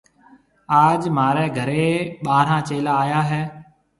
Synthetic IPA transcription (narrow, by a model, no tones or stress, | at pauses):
aːd͡ʒmaːɾɛːɡʱəɾeːɓaːɾ̤ãːt͡ʃeːlaːjaːɦɛː